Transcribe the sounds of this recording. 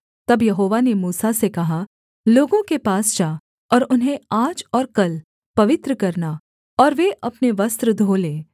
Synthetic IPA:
t̪ɐbjɐɦoːʋanemuːsasekɐɦa | loːɡõkepaːsd͡ʒaː | ɔːɾʊnɦẽaːd͡ʒɔːɾkɐl | pɐʋɪt̪ɾəkɐɾna | ɔːɾʋeʔɐpneʋɐst̪ɾəd̪ʱoːlẽː

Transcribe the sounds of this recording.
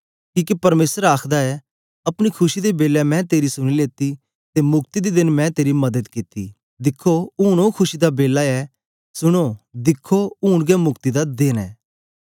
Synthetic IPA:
kiːkipɐɾmeːsəɾaːkʰd̪aɛ | ɐpɽ̃ikʰʊʃid̪ebeːlɛmɛ̃t̪eːɾisʊɽ̃ileːt̪i | t̪emʊk̚t̪id̪id̪ɪnmɛ̃t̪eːɾimɐd̪əd̪kɪt̪ḭ | d̪ɪkʰːoʊːɽ̃okʰʊʃid̪abeːlaɛ | sʊɽ̃od̪ɪkʰːoʊːɽ̃ɡɛmʊkt̪id̪ad̪ɪnɛ̰ː

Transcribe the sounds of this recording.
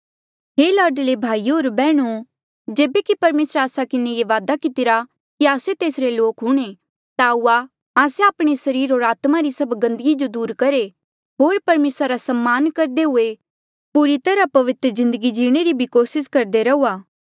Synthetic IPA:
ɦeːlaːɖlebʱaːiɦoːɾbɛːɽ̃u | d͡ʒeːbekipɐɾmeːsɾaːsakɪnejeʋaːd̪akɪt̪ɪɾa | kiaːset̪eːsɾeloːkɦʊɽ̃e | t̪auːa | aːseaːpɽ̃esɐɾiːɾɦoːɾaːt̪maɾisɐbɡɐ̃nd̪əɡid͡ʒod̪uːɾkɐɾe | ɦoːɾpɐɾmeːsɾaɾasɐmːaːnkɐɾd̪eɦʊe | puɾit̪ɐɾapɐʋɪt̪ɾəzɪ̃nd̪əɡid͡ʒiːɽ̃eɾibʱikoːsɪskɐɾd̪eɾɐuːaː

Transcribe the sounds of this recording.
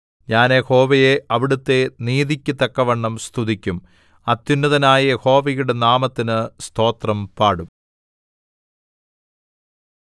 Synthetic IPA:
ɲaːneho̞ːʋɐjeʔɐʋiɽut̪ːe̞niːðikʲːɨt̪ɐkːɐʋɐɳːɐmst̪ʰuðikʲːum | ɐt̪ːjunːuðɐnaːjɐho̞ːʋɐjuɽe̞naːmɐt̪ːinɨst̪ʰo̞ːt̪rɐmpaːɽum

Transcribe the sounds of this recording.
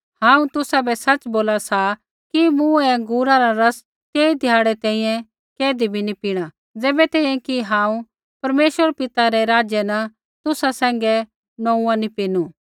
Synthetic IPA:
hãːũt̪ʊsabɛsɐt͡ʃboːlasa | kimuɛɡuːɾaɾaɾɐs | keːid̪ʱɪjaːɽɛt̪ɛ̃ːĩjɛ̃ | kɛːd̪ibʱinipiːɽ̃a | d͡zɛːbɛt̪ɛ̃ːĩjɛ̃kiɦãːũ | pɐɾmeːʃʋəɾpɪt̪aɾɛɾaːd͡ʒjɛnɐ | t̪ʊsasɛ̃ːŋɡɛ | nɔ̃ũãnipiːnu

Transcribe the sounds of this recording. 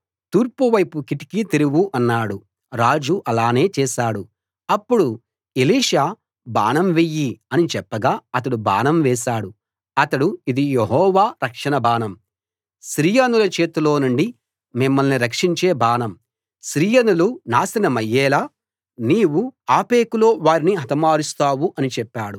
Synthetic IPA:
t̪uːɾpuʋɐjpukiʈi̥kit̪iɾuwuʔɐnːaːɽu | ɾaːd͡ʒuʔɐlaːne̞ːt͡ʃɛːʃaːɽu | ɐpːuɽu | eliːʂaː | ba̰ːnɐmʋejːiɐnit͡ʃɛpːɐɡaːɐt̪ɐɽuba̰ːnɐmʋɛːʃaːɽu | ɐt̪ɐɽuid̪ijeɦɔːʋaːɾɐkʂɐɳɐbaːnɐm | ʃɾiːjanulɐt͡ʃe̞ːt̪ulo̞ːnuɳɖi | mimːɐlniɾɐkʂiɲt͡ʃe̞ːbaːnɐm | ʃɾiːjɐnulunaːsinɐmɐjːɛːlaː | niːwuaːpeːkuloːʋaːɾiniɦɐt̪ɐmaːɾust̪aːwuʔɐnit͡ʃɛpːaːɽu

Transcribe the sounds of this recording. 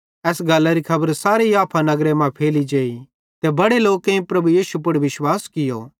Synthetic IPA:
ɛːsɡɐlːaɾikʰɐbəɾsaːɾeiaːpʰanɐɡɾemãpʰeːlid͡ʒeːi | t̪ebɐɽeloːkːẽĩpɾɐbujiːsup̬ɐɽʋɪʃwaːskɪjo̰ː

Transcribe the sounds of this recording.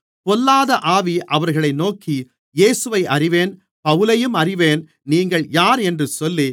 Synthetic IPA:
pɔlːaːðɐʔaːʋiʔɐʋɐɾɣɐɭɐɪnoːki | jeːsɯʋɐɪʔɐrɪʋeːn | pɐʋɯlɐjɯmɐrɪʋeːn | niːŋɡɐɭjaːɾɛndrɯsɔlːi

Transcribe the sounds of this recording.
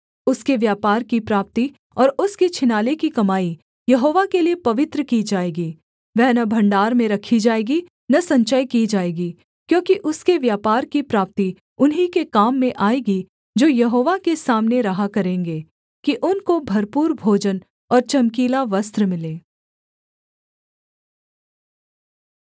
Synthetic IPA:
ʊskeʋjaːpaːɾkipɾaːp̚t̪i | ɔːɾʊskit͡ʃʰɪnaːlekikɐmaːi | jɐɦoːʋakeliepɐʋɪt̪ɾəkid͡ʒaːeːɡiː | ʋɛɦnɐbʱɐ̃ɳɖaːɾmẽɾɐkʰid͡ʒaːeːɡi | nɐsɐ̃ɲt͡ʃəjkiːd͡ʒaːeːɡiː | kjõːkiʔʊskeʋjaːpaːɾkipɾaːp̚t̪i | ʊnɦikekaːmːẽʔaːeːɡi | d͡ʒoːjɐɦoːʋakesaːmneɾɐɦakɐɾẽːŋɡeː | kiʔʊnkobʱɐɾpuːɾbʱoːd͡ʒən | ɔːɾt͡ʃɐmkiːlaʋɐst̪ɾəmɪlẽː

